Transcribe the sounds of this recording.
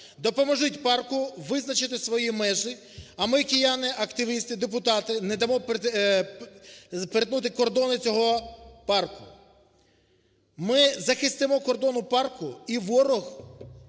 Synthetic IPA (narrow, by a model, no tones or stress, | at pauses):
d̪ɔpɔmɔʒɪtʲpɑrkʊʋɪznɐt͡ʃɪt̪ɪsʋɔjimɛʒɪ | ɐmɪkʲɪjɑnɪʔɐkt̪ɪʋʲist̪ɪd̪ep̬ʊt̪ɑt̪ɪnɛd̪ɐmɔp | peɾet̪nut̪̬ɪkɔrd̪ɔnɪt͡sʲɔɦɔpɑrkʊ | mɪzɐxɪst̪ɪmɔkɔrd̪ɔnʊpɑrkʊiʋɔɾɔx